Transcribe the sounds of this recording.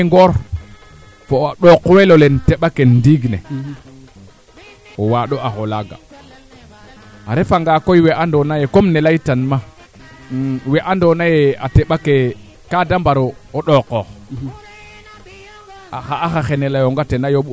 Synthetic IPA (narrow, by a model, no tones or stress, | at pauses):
ŋɡoɾ | foaɗokːowelolenteɓakendiɡnḛ | owaɗoaxolaɡa̰ | aɾefaŋɡakojweʔandonajekomnelaitanma | weʔandonajeateɓake | kadambaɾooɗokːox | axaaxaxenelajoŋɡatenajoɓ